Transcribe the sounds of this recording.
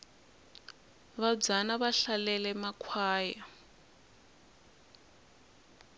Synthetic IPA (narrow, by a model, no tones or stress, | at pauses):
βab͡ʐanaβaɬalɛlɛmakʰwaːja